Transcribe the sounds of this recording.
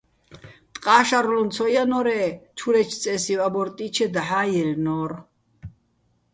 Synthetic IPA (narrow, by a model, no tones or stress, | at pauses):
t̪ʼqʼaːʃaɾlɔnt͡sʰɔjanɔɾɛt͡ʃʰuɾɛt͡ʃ̪ʰt͡sʼɛsiwabɔɾt̪ʼit͡ʃʰɛd̪aħaːjɛlnɔːɾ